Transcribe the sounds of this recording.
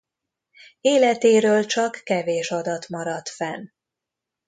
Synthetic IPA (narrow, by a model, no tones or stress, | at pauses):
eːlɛt̪eːɾøːlt͡ʃɒkːɛveːʃɒd̪ɒt̪mɒɾɒt̪fɛn